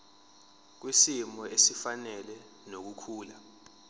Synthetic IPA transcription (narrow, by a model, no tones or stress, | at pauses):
k̬wisimɔesifanɛlɛ | nok̬ukʰuːla